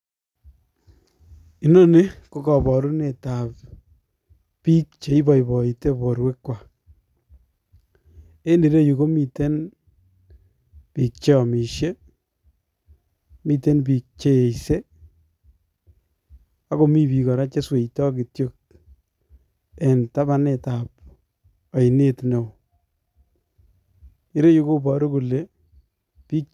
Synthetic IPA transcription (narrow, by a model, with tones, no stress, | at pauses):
i˦nɔ˦ne˦ko˨kɔ˨bɔ˨ɾu˦ne˨ta˨p | pi˦k̚t͡ʃe˨i˦bɔ˨ibɔ˨i˨te˦bɔ˨ɾwe˦kːwa˨ | e˦ndi˨ɾe˦ju˨ko˦mi˨te˦n | pi˨k̚t͡ʃe˦ɔ˨mi˨ʃje˦ | mi˨te˦np̬i˨k̚t͡ʃe˦e˨jse˦ | a˦ko˨mi˦pi˨kɔ˨ɾa˦t͡ʃe˦swe˨jtɔ˦ki˨tjo˦k̚ | e˨nta˦ba˦neta˨p | ɔ˨ɪ˨ne˦tne˨w | i˨ɾe˦ju˦ko˦pɔ˨ɾo˦ku˨le˦ | pi˦k̚